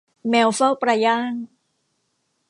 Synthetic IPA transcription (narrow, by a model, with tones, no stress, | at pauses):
mɛː˧wfa˥˩pɾa˧jaː˥˩ŋ